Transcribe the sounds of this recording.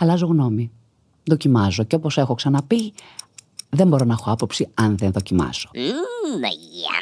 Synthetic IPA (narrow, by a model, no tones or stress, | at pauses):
ɐlɐzo̞ɣno̞mi | ðo̞cimɐzo̞ceopo̞se̞xoksɐnɐpi | ðe̞mbo̞ɾo̞nɐexo̞ɐpo̞psiɐnðenðo̞cimɐ̰z̥o̞̥ | ɐ̰